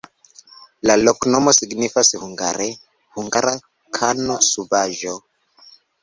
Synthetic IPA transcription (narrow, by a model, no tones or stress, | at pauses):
laloknomosiɡnifashuŋɡa̰ɾe | huŋɡaɾa | kʰanosubaʒo